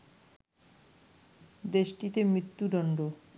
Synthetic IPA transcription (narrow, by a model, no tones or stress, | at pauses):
d̪eʃʈit̪emɾit̪ːud̪ɔɳɖo